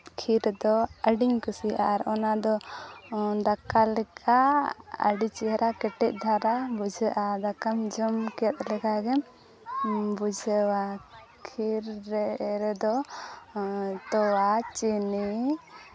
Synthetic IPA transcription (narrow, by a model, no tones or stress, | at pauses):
kʰiɾd̪ɔəɖiɲkusiʔaːɾɔnad̪ɔ | d̪akalɛkʰaə̰ɖit͡ʃiɛɾʔakɛʈɛc̚ˀd̪ʱaɾabud͡ʒʱəʔad̪akamd͡ʒɔmkɛɛt̪̚lɛkaɡɛm | bud͡ʒʱəwa | kʰiɾːɛɾɛd̪ɔ | t̪ɔwat͡ʃini